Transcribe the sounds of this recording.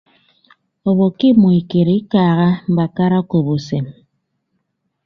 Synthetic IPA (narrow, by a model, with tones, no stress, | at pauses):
o˨βo˨ki˦mo˨i˨ke˨ɾi˦kaː˨ɣa˦m̩˨ba˨ka˦ɾa˦o˦ko˨bo˨se˨m